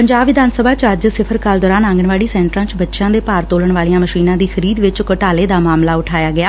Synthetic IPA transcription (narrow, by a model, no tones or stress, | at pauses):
pəɲd͡ʒaːbʋɪd̪aːnsəbaːt͡ʃəd͡ʒsɪpʰəɾkaːld̪ɔːɾaːnãːŋɡəɳʋaːɽiːsɛ̃ːɳʈɾãːt͡ʃbətːʃãːd̪eːpaːɾt̪oːləɳʋaːlijãːməʃiːnãːd̪iːxʰəɾiːd̪ʋɪt͡ʃkəʈaːleːd̪aːmaːmlaːʊʈʰaːjaːɡɪjaː